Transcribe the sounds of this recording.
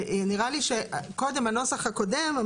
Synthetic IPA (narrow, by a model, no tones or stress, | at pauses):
niʁaliʃeko̞demano̞saχhako̞dem